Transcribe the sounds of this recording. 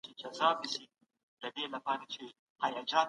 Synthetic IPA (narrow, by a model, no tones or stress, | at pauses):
t͡ʃed͡ʒazɑːbisi | d̪̥əd̪elapɑɾet͡ʃe | hajɑd͡ʒɑː